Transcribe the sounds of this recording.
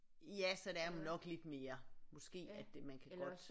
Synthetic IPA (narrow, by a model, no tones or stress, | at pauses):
jæsɒ̽d̥eæɐunɒ̽ɡ̥le̝d̥me̝ːɐmɔ̽sɡ̥e̝̰ːæd̥e̝mænkʰæɡ̥ɒ̽d